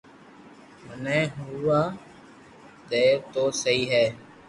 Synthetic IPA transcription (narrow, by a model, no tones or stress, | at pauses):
mənɛ̃ːɦuʋaː | d̪ɛːt̪oːsəɦiːɦɛː